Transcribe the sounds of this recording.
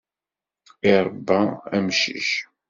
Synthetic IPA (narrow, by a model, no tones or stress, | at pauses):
iɾˤbːææmʃḭʃ